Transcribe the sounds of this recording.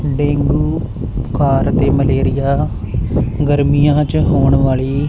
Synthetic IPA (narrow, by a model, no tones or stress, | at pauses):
ɖeːŋɡuː | kaːɾt̪eːməleːɾɪjaː | ɡəɾmijãːt͡ʃɦoːɳ̃ʋaːɭiː